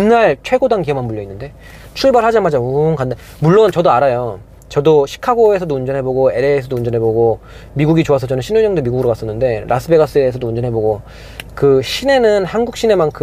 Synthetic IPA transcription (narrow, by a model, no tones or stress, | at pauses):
inːaɭt͡ɕʰwe̞ɡodaŋkiʌmɦanmuʎːjʌinːɯnde̞ | t͡ɕʰuɭbaɾɭhad͡ʑamad͡ʑaunkande | muɭːont͡ɕʌdoaɾajo | t͡ɕʌdoɕʰi̥kʰaɡoe̞sʰʌdound͡ʑʌnɦe̞boɡoe̞ɾeːsʰʌdound͡ʑʌnɦe̞boɡo | miɡuɡit͡ɕoas̬ʰʌt͡ɕʰʌnɯnɕʰinuɭjʌŋdomiɡuɡɯɾokas͈ʌnːɯnde̞ɾʔas͈ʰɯbe̞ɡas͈ɯeːsʰʌdound͡ʑʌnɦe̞boɡo | kɯɕʰine̞nɯnhanɡuk̚ɕ͈ine̞mankʰɯ